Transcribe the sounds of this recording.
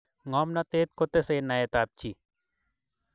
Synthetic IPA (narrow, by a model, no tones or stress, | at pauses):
ŋaːmnat̪eːt̪̚kot̪eseːnajet̪aːp̚t͡ʃʰi